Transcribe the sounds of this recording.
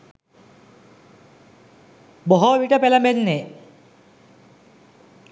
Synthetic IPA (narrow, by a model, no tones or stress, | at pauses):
bɔɦɔbiʈapɛlamenːe